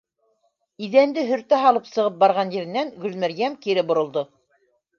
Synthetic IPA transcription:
iðænd̪ɘɦɵ̆ɾt̪æɦɑlˠɤpsɤ̆ʁɤp̚bɑɾʁɑnjɘ̆ɾɘ̆nːæŋɡɵ̆lmæɾjæmkiɾɘbŏɾŏlˠd̪o

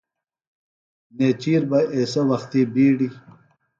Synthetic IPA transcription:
neːt͡ɕiːɾbɐʔesɐwɐxt̪ibiːɽi

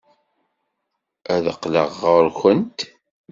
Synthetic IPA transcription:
æðəqlə̰ʁːəɾçʷənt̪

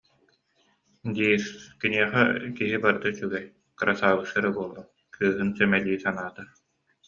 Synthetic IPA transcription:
d̪iːɾkiniɛχɛkiɦibaɾd̪at͡ɕyɡɛj | kɯɾʔasaːbɯsaɾabuɔlˠːɔn | kʰɯːɦɯnsɛmɛliːsanaːt̪a

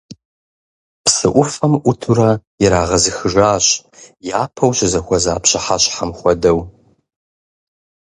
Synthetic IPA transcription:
psɨʔʷʊfɐmʔʷʊtʰuɾɐ | ɪɾaːʁɐzɨxɨʒaːɕʼjaːpʰɐwɕɪzɐxʷɔzaːpʰɕɐħaɕʼħamχʷɔdɐw

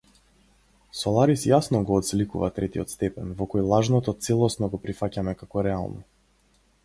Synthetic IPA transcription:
sɔlˠaɾisjasnɔɡɔːt̪slikuvat̪ɾɛt̪iɔt̪st̪ɛpɛnvɔkɔjlˠaʒnɔt̪ɔt̪sɛlˠɔsnɔɡɔpɾifacamɛkakɔɾɛalˠnɔ̰

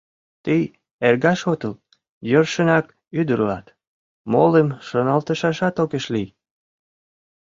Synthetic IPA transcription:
t̪ij | erɣɑʃot̪əl | jørʃənɑk | yd̪əɾlɑ̰t̪ | mo̰lemʃənɑlt̪əʃɑʃɑt̪okeʃlij

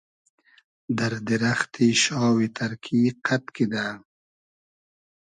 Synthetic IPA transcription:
d̪ɐɾd̪iɾaxt̪iʃɑːwit̪ʰɐɾkʰiqʰat̪kid̪aː

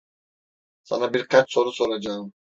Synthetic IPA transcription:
sa̰nabiɾkʰat͡ʃso̞ɾuso̞ɾad͡ʒaɯm

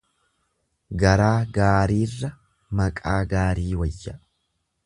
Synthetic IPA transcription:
ɡɐɾaːɡaːɾiːrːɐ | mɐkʼaːɡaːɾiːwɐjːɐ

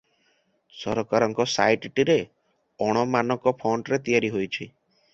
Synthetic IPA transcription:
sɔɾɔkaɾɔŋkɔsa̰jʈʈiɾe | ɔɽ̃ɔmanɔkɔpʰoɳʈɾet̪ijaɾiɦojt͡ʃʰi

